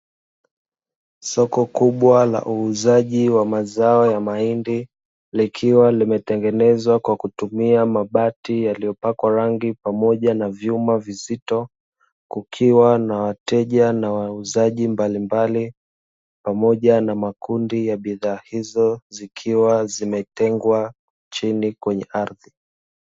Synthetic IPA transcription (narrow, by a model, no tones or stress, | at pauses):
sɔkɔkuɓwala̰ʔuːzaʄiwamazaɔjamaindi | likʰiwalimɛtɛŋɡɛnɛzwakwakutumiamaɓatijalijɔpakwaɾaŋɡipamɔʄanavjumavizitɔ | kukʰiwanawatɛʄanawauzaʄimbalimbali | pamɔʄanamakundijaɓiðaːhizɔzikʰiwazimɛtɛŋɡwa | t͡ʃinikwɛɲɛʔaɾði